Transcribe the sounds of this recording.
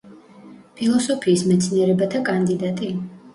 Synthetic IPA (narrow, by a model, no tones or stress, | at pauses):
pʰilˠɔsɔpʰiːsmɛt̪sʰniɛɾɛbat̪ʰakʼand̪id̪at̪ʼi